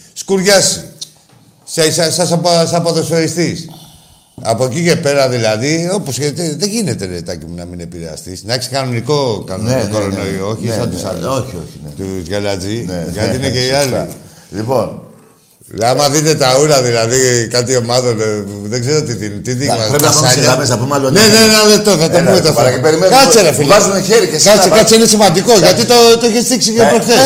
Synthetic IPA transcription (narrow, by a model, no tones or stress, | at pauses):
skuɾʝasi | ssasɐsapsɐpoðosoɾist̪is | ɐpo̞cice̞pe̞ɾɐðilɐðio̞poset̪eðeʝine̞t̪e̞net̪ɐcimunɐmine̞piɾea̰st̪isnɐeksi̥kɐnoniko̞kanonokoɾonoio̞çisɐt̪usoçioçint̪uzʝalat͡sinʝat̪inekeiali | lipon | amɐðit̪e̞t̪ɐuɾɐðilɐðikat̪̬io̞mɐðoneðeɡzeɾoot̪it̪int̪it̪imɐpɾeiɐsɐɲɐmesɐpumeɐloneneɐðekt̪oθɐt̪opumet̪oɐipeɾimekɐt͡seɾɐfilɐzuneçeɾicesat͡sikɐt͡siinesimɐnd̪iko̞ʝɐt̪it̪ot̪oiçest̪iksikepɾokθe